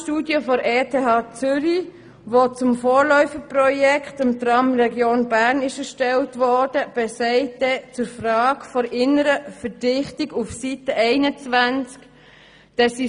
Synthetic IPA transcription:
ʃtuːdjəfɔɾʔeːtʰeːɦɑːt͡sʏɾi | ʋot͡sʊmfoːɾlœʏfəprɔjɛkχtɪmt̪rɑmrɛɡjoːnbæɾnɪʃəɾʃtɛltʋɔɾd̥əb̥ɛsɛɪtːɛt͡sʊɾfrɑːkfɔɾɪnəɾəfəɾd̥ɪχtiɡufsitəʔɛɪnət͡sʋænt͡sk | d̥ɛsi

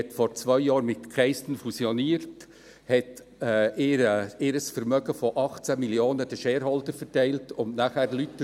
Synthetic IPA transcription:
ɛtfɔɾt͡svœʏjɑːɾmɪtkʰʁɛɪstən̩fusioniːəɾt | hɛtː | eːɾɪːɾəsfɛɾmœɡəfoʔɑχt͡sæmiljoːnədɛʃeːɾhɔltəɾfɛɾtæɪltʊnnaχæːɾlyt

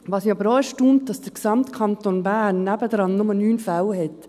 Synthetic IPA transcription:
ʋɑːsiɑbəɾɔʏsʃtuːmt̚d̥ɑsd̥əksɑmtkʰɑnt̪onbænːæbədɾɑnːʊmənyːnfælhɛt

